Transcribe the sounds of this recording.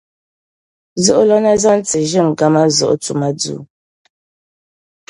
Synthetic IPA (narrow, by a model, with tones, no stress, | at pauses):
zu˦ʔlɔ˦na˦za˦n˦t͡si˨ʒɨ˦˨ŋ˨ɡa˦ma˦zɔ̰˨ʔt͡su˨ma˦d͡zṵ˨˦